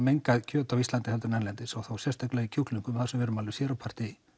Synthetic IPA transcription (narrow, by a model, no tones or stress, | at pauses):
mejŋkaðcʰœːt̪avist̪lant̪ɪhɛlt̪ɪɾnɛnlɛnt̪ɪsɔθawsjɛst̪ʰak̪lɛɣicʰukliŋkʏmɪθḁɾsɛvɛːɾʏmalvɪ̥sjɛːɾawpʰar̥t̪ɪ